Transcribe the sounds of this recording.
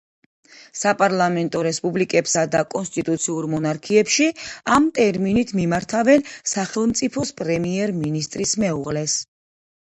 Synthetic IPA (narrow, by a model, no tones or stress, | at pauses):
sapʼaɾlˠamɛnt̪ʼɔɾɛspʼublikʼɛpsad̪akʼɔnst̪ʼit̪ʼut̪sʰiuɾmɔnaɾkʰiɛpʃiamt̪ʼɛɾminit̪ʰmimaɾt̪ʰavɛnsaχɛlˠmt̪sʼipʰɔspʼɾɛmiɛɾminist̪ʼɾismɛuʁlɛs